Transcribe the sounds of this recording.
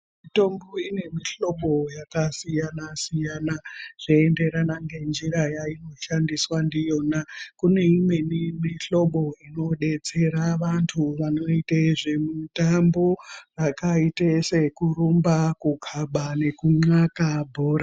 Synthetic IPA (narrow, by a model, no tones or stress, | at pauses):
mito̞mboine̞miɬo̞ɓo̞jakasijanasijanaʐ̥iende̞ɾanaŋɡe̞nd͡ʒiɾajaino̞ʃandiswandijo̞nakune̞imwenimiɬo̞ɓo̞ino̞ɗe̞t͡se̞ɾaʋantʰuʋano̞itaiʐimitamborakaitesekuɾumbakukʰaɓane̞kuŋ͡ǀakabʱo̞ːɾa